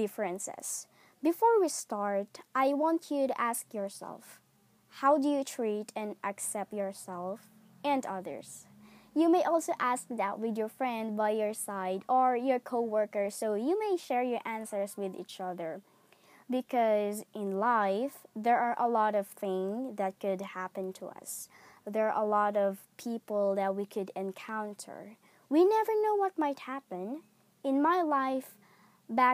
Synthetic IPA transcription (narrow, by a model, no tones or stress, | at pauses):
dɪfɹɛ̃nsɛ̰s | bɪfɔɹwist̪ɑɹt̪ʔajwɑ̃ntʰjuɾuʔæskjɔɹsɛ̰lˠf | hawdujutʰɹit̪ʰɛ̃nʔaksɛp̚tjɔɹsɛlˠf | ʔɛ̃ndʌðə̰ɹs | jumeɪʔɔlˠsoʔæsk̚ðæt̚wɪdjɔɹfɹɛ̃nd̪̚bajjɔɹsaɪdɔɹjɔɹkʰoʊwɜɹkəɹsoʊjumeɪʃɛɹjɔɹʔæ̃nsəɹswɪðḭt͡ʃʌðə˞ | bɨkʰʌzʔɪ̃nlaɪfðɛɹʔaɹʔəlɔɾʌv̥θɪ̃ŋðɨt̚kʊdhæpɨ̃ntʰəʌ̰sðɛʔəlɔɾʌv̥pʰipl̩ˠðæt̚wikʰʊdɛ̃nkʰãʊ̃ntʰə̰˞ | winɛvə˞noʊwʌt̚maɪt̚hæpɨ̃n | ɪ̃nmaɪlaɪf | bæ